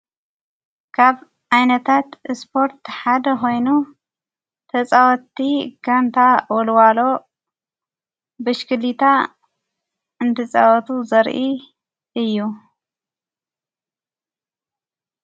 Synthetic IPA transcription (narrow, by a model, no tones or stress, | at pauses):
kʰaβ | ajnɐt̪ʰat̪spʰo̞ɾt̪ħad̪ɐxo̞jnu | t̪ʰɐt͡sʼawɔt̪ːiɡant̪ʰawɔlwalo̞ | bɨʃkɨlit̪ʰa | ɨnt̪ʰɐt͡sʼawɔt̪ʰuzɐɾʔi | ɨjːu